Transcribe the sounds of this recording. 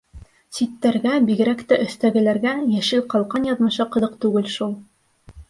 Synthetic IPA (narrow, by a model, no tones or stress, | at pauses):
sit̪ːæɾɡæbiɡɘ̆ɾækt̪æʔɵ̆θt̪æɡɘ̆læɾɡæjæʃɘlqɑlˠqɑnjɑðmɤ̆ʃɤqɤ̆ðɤqt̪ʉɡɘlʃulˠ